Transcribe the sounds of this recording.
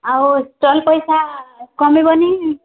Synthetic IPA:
awsʈɔlpɔjsakɔmibɔni

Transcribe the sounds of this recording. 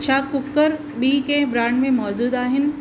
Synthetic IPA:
t͡ʃʰaːkʊkːəɾ | biːkebɾaːɳɖmẽmɔːd͡ʑuːd̪aːɦɪn̆

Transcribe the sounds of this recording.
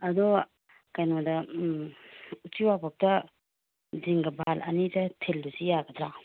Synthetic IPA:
ɐdɔ | kajnodɐ | utiwapʰak̚tɐ | ziŋɡɐbʱalɐ̰nitɐtʰeldusijaɡɐd̪ɾa

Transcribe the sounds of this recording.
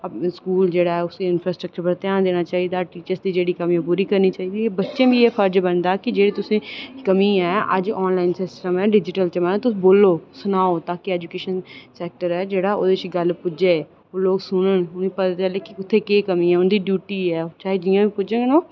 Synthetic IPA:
skuːld͡ʒeːɽaːɛʊseɪnfʰɾaːsʈɾək̚t͡ʃəɾpəɾt̪ɪjaːnd̪eːñaːt͡ʃaːiːd̪aːʈiːt͡ʃəɾsd̪iːd͡ʒeːɽiːkəmĩpuːɾiːkəɾniːt͡ʃaːiːd̪ieːbətːʃẽːbʱieːpʰəɾd͡ʒbənd̪aːkɪd͡ʒeːɽit̪ʊsẽːkəmĩːɛːə̰d͡ʒɔːnlaːɪnsɪsʈəmɛːɖɪd͡ʒɪʈəlt͡ʃəmãːt̪ʊboːloːsʊnaːoːt̪aːkiɛːd͡ʒukeːʃənsɛːk̚ʈəɾɛːd͡ʒeːɽaːo̰ːd̪et͡ʃɡəlpʊd͡ʒẽ | oːloːɡsʊnənʊnipət̪aːt͡ʃəleːkɪʊt̪ʰːẽːkeːkəmĩɛːʊnd̪iːɖjuːʈiːɛːt͡ʃaːɦed͡ʒɪjãːbipʊd͡ʒə̃ɡnoː

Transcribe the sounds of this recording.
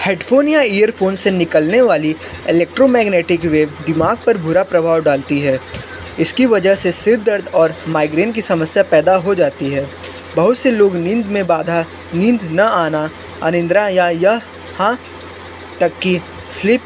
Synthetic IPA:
hɛːʈfʰoːnijaiːjəɾfoːnsenɪkəlneʋaːli | ɪleːk̚ʈɾomɛːɡneːʈɪkʋeːʋd̪ɪmaːɡ̚pɐɾbʱʊɾapɾɐbʱaːʋɖaːlt̪iɦɛː | ɪskiʋɐd͡ʒəɦsesɪɾd̪əɾd̪ɔːɾmaːɪɡɾeːnk̬isɐməsjapɛːd̪aɦod͡ʒaːt̪iɦɛː | bɐɦʊt̪seloːɡnɪ̃nd̪mẽbaːd̪ʱa | nɪ̃nd̪nɐaːna | ɐnɪ̃nd̪ɾajaja | hã | t̪ɐkːi | slɪp

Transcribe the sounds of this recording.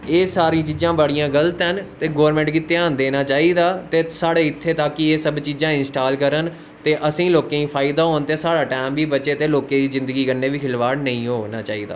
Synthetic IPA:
eːsaːɾĩːt͡ʃiːzãːbəɽijãːɡələt̪ɦənt̪eːɡoːɾmɛ̃ːɳʈkɪt̪eaːnd̪eːnaːt͡ʃaːiːd̪aːt̪eːsaːɽeːɪt̪ʰːeːt̪aːkieːsəbt͡ʃiːzãːɪ̃nsʈaːlkəɾən | t̪eːʔəsĩːloːkẽːĩːpʰaːɪd̪aːɦoːnt̪eːsaːɽaːʈɛːmbiːbət͡ʃeːt̪eːloːkeːd̪iːzɪ̃nd̪əɡiːkəɾneːʋiːkʰɪlʋaːɽnəĩːɦoːnaːt͡ʃaːiːd̪a̰ː

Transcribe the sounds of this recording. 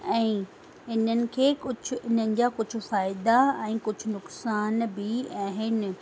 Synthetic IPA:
ɛ̃ː | ɪnənɪ̆kʰeːkʊd͡ʑʱʊ̆ɪn̤ənɪ̆d͡ʑaːkʊd͡ʑʱʊ̆faːɪd̪aɛ̃ːkʊd͡ʑʱʊnʊksaːnbɪaːɦɪnɪ̆

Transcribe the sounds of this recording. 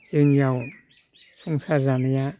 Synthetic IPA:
zɯŋjaw | suŋsazanja

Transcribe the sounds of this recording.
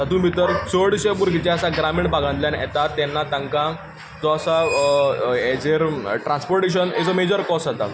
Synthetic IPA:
t̪at̪uːnʋit̪əɾt͡səɽɕepuɾɡit͡ɕaəsaɡɾameɳʈbʱaɡãnt̪ljãnɛ̰t̪at̪ːɛnːat̪ə̃ŋkã | d͡zɔəsa | ed͡zeɾʈɾãnspoɾʈeɕ̬ənḛd͡zɔmed͡ʑəɾkɔsat̪a̰

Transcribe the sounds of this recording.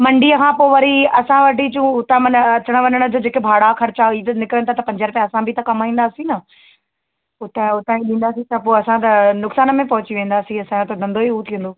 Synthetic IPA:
mɐ̃ɳɖiːəkʰãːpoːʋɐɾiɐsãʋɐʈit͡ɕũʊt̪ãmɐnɐt͡ɕəɽ̃ə̆ʋɐnəɽ̃ə̆d͡ʑoːd͡ʑeːkebʱaːɽakʰɐɾɪt͡ɕaiːt̪ɐnɪkɾənɪt̪ʰat̪ɐpɐ̃ɲd͡ʑəɾpjãɐsãbʱɪit̪ɐkɐmaːĩːnd̪aːsĩnɐ | ʊt̪ãʊt̪ãːĩɗĩːn̆d̪aːsĩt̪ɐpoːɐsãt̪ɐnʊksaːnə̆mẽpɐɦʊt͡ɕiʋẽːn̆d̪aːsĩɐsãt̪ɐd̪ʱɐ̃nd̪oiuːt̪ʰĩːnd̪oː

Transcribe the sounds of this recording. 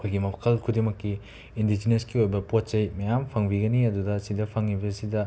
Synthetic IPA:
ɐkʰojɡimɐkʰɐlkʰudiŋmɐkːiː | ndid͡ʒineskiojbɐpot̚t͡ʃɐjmɐjampʰɐŋbiɡɐniɐdudɐsidɐpʰɐŋːibɐsidɐ

